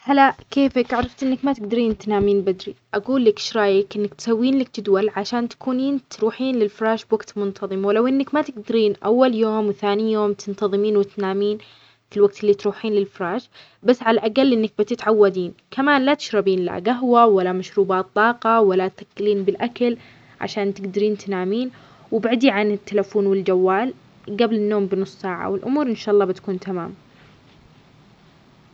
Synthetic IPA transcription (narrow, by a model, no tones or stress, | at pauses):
halaʔkeːfɪkʔaʕɾˤɑft̪ʔɪnːakmat̪ɪɡd̪aɾiːnt̪naːmiːnbad̪ɾiʔaɡuːlːakʃɾˤɑːjɪkʔɪnːakt̪sawːiːnlak̚t̪ɪd̪walʕaʃaːnt̪ḁkuːniːnt̪ɾuːħiːnlɪlfɾˤɑːʃbwaɡt̪mʊnt̪ʰɑðˤɨmwɪlawʔɪnːɪkmat̪ɪɡd̪aɾiːnʔa̰wːaljoːmwɪθaːnijoːmt̪ɪnt̪ɑðˤɨmiːnwɪt̪naːmiːn | filwaɡ̚t̪ɪlːiːt̪ɾuːħiːnlɪlfɾˤɑːʃ | basːʕalaʔaɡalːʔɪnːak̚bɪt̪ɪt̪ʕawːad̪iːnkʰamaːnlat̪ɪ̥ʃɾɑbiːnla̰ɡaɦwawalːamaʃɾuːbaːt̪ˤːɑːqɑwalːat̪θakːɪliːnbɪlʔakal | ʕa̰ʃaːnt̪ɪɡd̪aɾiːnt̪naːmiːn | wɪbaʕd̪iʕanɪt̪ːalafoːnwɪld͡ʒawːaːl | ɡablɪnːoːmbɪnʊsˤːsaːʕa̰wɪlʔʊ̰muːɾʔɪnʃaːʔɑlˤːɑːbɪt̪ḁkuːnt̪ʰamaːm